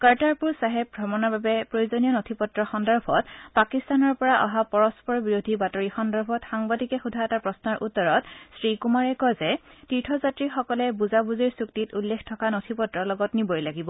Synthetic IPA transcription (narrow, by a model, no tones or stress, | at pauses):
kaɹtaɹpuɹsaɦɛp̚bʱɔmɔnababɛpɹojuzɔnijɔnotʰipɔtɹɔxɔndɔɹbʱɔtpakistanɔɹpɔɹaʔaɦapɔɹɔspɔɹbiɹodʱibatɔɹixɔndɔɹbʱɔtxaŋbadikɛxudʱaɛtapɹɔsnɔɹʔutːɔɹɔtsɹikumaɹɛkɔjzɛtitʰɔzatɹixɔkɔlɛbuzabuziɹsuktitulːexʰtʰɔkanotʰipɔtɹɔlɔɡɔtniboɹjlaɡibɔ